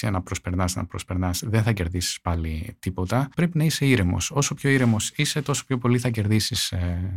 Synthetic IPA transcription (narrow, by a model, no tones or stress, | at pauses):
sienɐpɾospe̞ɾnɐsnɐ̰pɾospe̞ɾnɐsðenθɐce̞ɾðisi̥spɐlit̪ipo̞t̪ɐpɾe̞pinɐise̞iɾemo̞̰so̞so̞pço̞iɾemo̞sise̞t̪o̞so̥pçopo̞liθɐce̞ɾðisise